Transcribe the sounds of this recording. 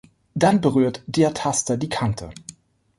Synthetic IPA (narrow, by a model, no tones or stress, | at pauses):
d̥anbəʁyːɐtd̥eːɐtʰastɐdiːkʰantʰə̰